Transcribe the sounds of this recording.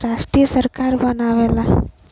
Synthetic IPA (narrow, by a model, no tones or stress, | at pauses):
ɾaːʂʈɾijɐsɐɾkaːɾbɐnaːʋeːla